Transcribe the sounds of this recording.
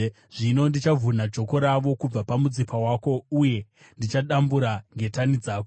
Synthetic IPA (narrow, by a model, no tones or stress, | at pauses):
ʐ̥ino̞ndit͡ʃavʱunad͡ʒo̞ko̞ɾaʋo̞kub͡vapamud͡zipʰawako̞uje̞ | ndit͡ʃaɗambuɾaŋɡe̞tanid͡zaːko